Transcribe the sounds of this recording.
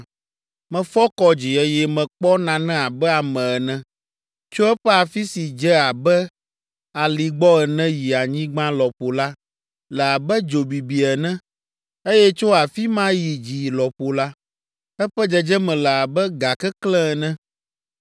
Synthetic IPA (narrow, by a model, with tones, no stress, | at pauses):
mɛ̃˨fɔ˦kɔ˦d͡ʑi˨ɛ˦jɛ˦mɛ̃˨k͡pɔ˦nã˨nɛ̃˦a˨bɛ˦a˨mɛ̃˨ɛ˨nɛ̃˦ | t͡ʃo˦ɛ˦ɸɛ˦a˨fi˦si˨d͡ʒɛ˦a˨bɛ˦ | a˨li˨ɡ͡bɔ˦ɛ˨nɛ̃˦ji˨a˨ɲĩ˦ɡ͡bã˦lɔ˨ɸo˨la˦ | lɛ˨a˨bɛ˦d͡ʒo˨bi˨bi˨ɛ˨nɛ̃˦ | e˦jɛ˦t͡ʃo˦a˨fi˦mã˦ji˨d͡ʒi˨lɔ˨ɸo˨la˦ | ɛ˦ɸɛ˦d͡ʒɛ˨d͡ʒɛ˦mɛ̃˨lɛ˨a˨bɛ˦ɡa˨kɛ˦klɛ̃˦˨nɛ̃˦